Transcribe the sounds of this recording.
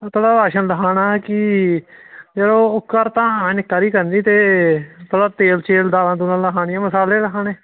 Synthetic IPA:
t̪ʰoːɽaːaːʃənləɦaːnaːkɪ | d͡ʒəlõːʊkːəɾt̪ãːnɪkːaːɾiːkəɾnd̪iːt̪eːt̪ʰoɽaːt̪eːlt͡ʃeːld̪aːlãːt̪ʊnaːləɦaːɳɪjãːməsaːleːləɦaːneː

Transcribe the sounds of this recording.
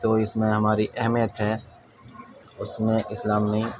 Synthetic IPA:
t̪oːɪsmẽɦəmaːɾiʔəɦmijət̪ɦɛː | ʊsmẽʔɪslaːmːĩː

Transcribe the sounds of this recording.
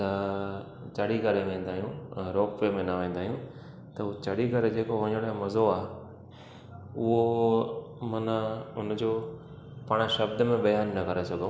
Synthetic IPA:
t̪ɐ | t͡ɕɐɽikɐɾeʋẽːn̆d̪aːɦijũɾoːkpemẽnɐʋẽːn̆d̪aːɦijũ | t̪ɐɦut͡ɕɐɽikɐɾed͡ʑeːkoʋɐ̃ɲəɽ̃ɦẽmɐzoaːɦe | ʊɦo | mɐnəʊnd͡ʑoː | pɐɽ̃ʃɐbd̪əmẽbɐjaːnːɐkɐɾesɐɡũ

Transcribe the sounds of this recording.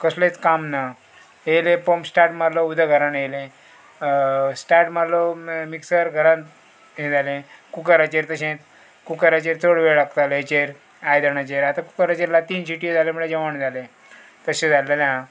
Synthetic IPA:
kəslet͡skamna | elẽpomsʈaɾʈmaloud̪ʱəɡʱəɾanejlẽ | sʈaɾʈmalomiksəɾɡʱəɾãn | ɦẽd͡zalẽkukəɾat͡ɕeɾt̪əɕẽt̪ | kukəɾat͡ɕeɾt͡sʰoɽʋeɭakt̪alet͡ɕeɾ | ajd̪aɳat͡ɕeɾat̪aku̥kəɾat͡ɕeɾlat̪iːnsiʈijod͡zaleməɭed͡ʑəʋaɳd͡zʱalẽ | t̪əɕẽd͡zaləna

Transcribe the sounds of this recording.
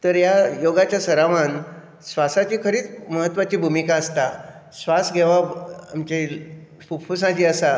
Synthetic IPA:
t̪əɾjajoɡat͡ɕjasəɾaʋan | sʋasat͡ɕiːkʰəɾiːt͡sməɦət̪ːʋat͡ɕiːbʱumikãəst̪a | sʋasɡʱeʋaamt͡ɕe | pupfusãt͡ɕiːəsa

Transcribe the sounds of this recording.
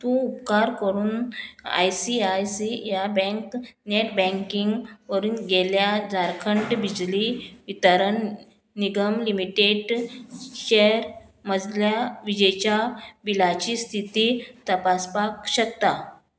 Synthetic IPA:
t̪ũupkaɾkəɾuːna̰jsiajsijabɛ̃ŋkneʈbɛ̃ŋkiŋɡʋəɾuːnɡeljad͡zaɾkʰəɳʈbid͡ʑliʋit̪əɾəɳː | iɡəmlimiʈeɖ | ɕeɾ | məd͡zljaʋid͡ʑət͡ɕjaʋilat͡ɕiːst̪ʰit̪iːt̪əpaspakɕəkt̪a

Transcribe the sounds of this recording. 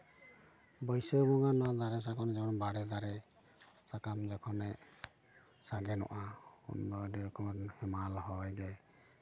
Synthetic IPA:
bɔjsəbɔŋanɔad̪aɾɛs̬akɔnɛd͡ʒaɔnbaɽɛd̪aɾɛ | sakamd͡ʒakʰɔnɛ | saɡɛnɔ̰ʔaɔ̰nd̪ɔɖiɾkɔnhɛmalɔɦɔjd̪ɛ

